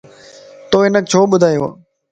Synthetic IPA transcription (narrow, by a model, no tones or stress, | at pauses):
t̪oːɦɪnək̚t͡ɕʰoːɓʊd̪ʱaːjo̰ː